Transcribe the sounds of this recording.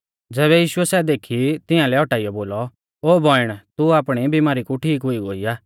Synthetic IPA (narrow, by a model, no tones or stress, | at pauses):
d͡zɛːβɛjiːʃʊɛsɛːd̪eːkʰit̪ɪãlɛɔʈaːijɔboːlɔ | oːbʱɔɪɽ̃t̪uaːpɽ̃ibɪmaːɾikuʈʰiːkɦʊiɡoːijaː